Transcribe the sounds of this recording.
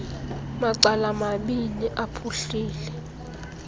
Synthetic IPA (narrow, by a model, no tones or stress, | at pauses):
maǀalamaɓiniʔapʰuɬiːlɛ